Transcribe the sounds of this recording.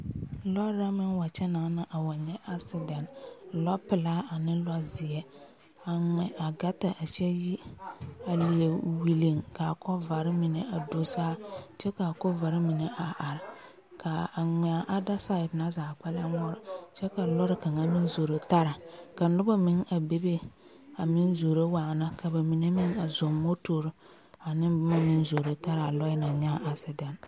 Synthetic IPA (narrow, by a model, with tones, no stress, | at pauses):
lɔ˦ɾa˦mɪ˦nwa˨t͡ʃɛ˦na˨˦na˦ʔa˨wa˨ɲɛ˦ʔa˦sɪ˦da˨n˨lɔ˦pɪ˨laː˦a˨nɪ˦lɔ˦zɪ˨ɛ˦ | a˨ŋɛ˨ʔa˨ɡa˦ta˨ʔa˨t͡ʃɛ˦ji˦a˨li˨e˨wi˨li˨ŋka˨kɔ˦va˨ɾɪ˦mɪ˨ne˨a˨do˦saː˦t͡ʃɛ˦ka˨kɔ˦va˨ɾɪ˦mi˨ne˨a˨ʔa˨ɾɪ˨ | kʰa˨a˨ŋ˨a˨ʔa˦da˦sa˦ɪ˨tna˦zaː˨k͡pa˦la˦ŋɔ˦ɾɪ˨t͡ʃɛ˦ka˨lɔ˦ɾɪ˦ka˨ŋa˦mi˦nzo˨ɾo˨ta˦ɾa˨ka˨˦nʊ˦ba˦mɪ˦ŋa˨be˦be˦ | a˨mɪ˦nzo˨ɾe˦waː˨na˦ka˨ba˨mi˨ne˦mɪ˦ŋa˨zo˨mːo˦to˨ɾ | a˨nɪ˦bʊ˦ma˦mɪ˦nzo˨ɾe˨ta˦ɾa˨lɔ˦ɪ˦na˨ɲa˦a˨sɪ˦da˨n